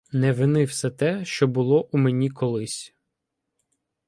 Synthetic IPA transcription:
nɛʋɪnɪwsɛt̪ɛʃt͡ʃɔbʊlˠɔʔumenʲikɔlˠɪsʲ

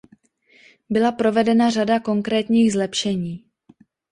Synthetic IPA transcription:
bɪlapɾo̞vɛdɛnaradako̞ŋkɾɛːt̪ɲiːɣzlɛpʃɛɲiː

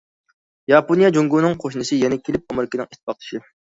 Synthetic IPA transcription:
jɑponijɑd͡ʒoŋɡunɨŋqʰoʃnɨsɨjɛnɛkʲʰelɪp̚omɨɾkʲɪnɪŋit̪̚ʰːpɑqlˠʰɨ̥ʃi

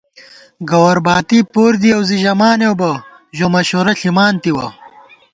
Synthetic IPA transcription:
ɡɐwɐɾbaːt̪ipoːɾd̪iɐwziʑɐmaːnewbɐ | ʑomɐɕoːɾɐɬimaːnt̪iwɐ

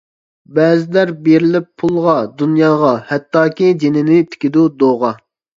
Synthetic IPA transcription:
bɛːzɪlæɾbeɾɪlɪpʰːulˠʁɑd̪unjɑːʁɑhɛt̪ʰːɑːkʲid͡ʒenɪnɪt̪ʰɪ̥kʲɪd̪ud̪oʁɑ

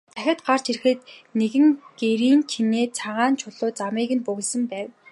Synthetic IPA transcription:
t̪ʰæxʲɪ̆t̪̚ɢar̥t͡ɕir̆xɘ̆t̪neɣɘ̆ŋɡ̥eɾiːnt͡ɕʰineːt͡sʰaʁaːnt͡ɕʰʊɮʊːt͡samiːɣɘ̆npɵɣ̆ɮsɘ̆mpæːw

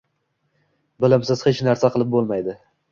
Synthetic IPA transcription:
bɪlɪmsɪz̥het͡ʃnaɾsaqʰɨlˠɪp̚bolˠmajd̪ɪ

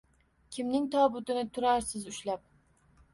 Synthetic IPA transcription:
kʲʰɪmnɪŋt̪ʰɒbʊt̪ɪnɪt̪ʰʊɾaɾsɪzʊʃlap̚

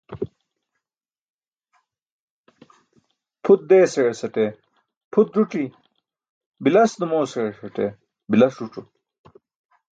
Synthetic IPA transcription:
pʰut̪̚d̪eːseɻesɐʈe | pʰut̪̚ɾuʈi | bilɐsnumoːseɻeɕɐʈe | bilɐsɾuʈ͡ʂu

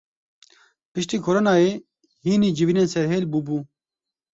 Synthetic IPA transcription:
pɨʃt̪iːkʰoɾoːnɑːeː | hiːniːd͡ʒɪviːneːnsɛɾɦeːlbubuː

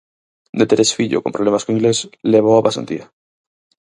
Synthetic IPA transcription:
d̪et̪eɾesfiʎo̰ko̞mpɾolemaskoiŋɡle̞sleβ̞oaβasant̪ḭa

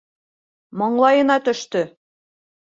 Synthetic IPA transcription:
mɒɴlˠɑjɤ̆nɑt̪ɵ̆ʃt̪ɵ

